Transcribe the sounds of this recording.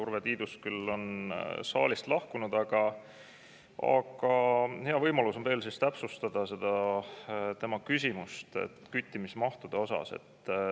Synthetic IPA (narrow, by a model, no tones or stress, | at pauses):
urved̪iːd̪̥uskylːo̞nsɑ̰ːlist̪lɑhkunud̪̥ɑɡ̥ɑ | ɑ̰ɡ̥ɑhe̞ɑvɤjmɑluso̞npeːlsist̪æpsust̪ɑd̪̥ɑse̞d̪̥ɑ | t̪e̞mɑkysʲimust̪ḛt̪kyt̪ʲːˑimismɑht̪ud̪̥e̞o̞sɑ̰se̞̰t̪ː